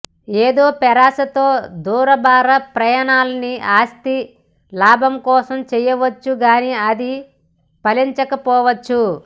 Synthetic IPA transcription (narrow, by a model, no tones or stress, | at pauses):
eːd̪o̞ːpɛɾaːsɐt̪o̞ːd̪uːɾɐbaːɾɐpɾɐjaːnaːlɐniʔaːst̪i | laːbʱɐmkɔːsɐmt͡ʃɛjɐʋɐt͡ʃːuɡaːniɐd̪i | pɐliɲt͡ʃɐkɐpɔːʋɐt͡ʃːu